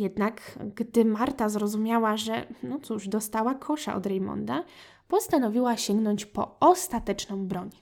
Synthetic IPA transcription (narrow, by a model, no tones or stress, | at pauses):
jɛd̪nakɡd̪ɘmaɾt̪azɾɔzumʲjawaʐɛnɔt̪suʐd̪ɔst̪awakʰɔʂa̰ʔɔ̰d̪ɾɛjmɔ̰nd̪a | pɔst̪anɔvʲiwaɕɛŋɡnɔɲt͡ɕpɔ̰ɔst̪at̪ɛt͡ʂnɔ̃w̃bɾɔɲ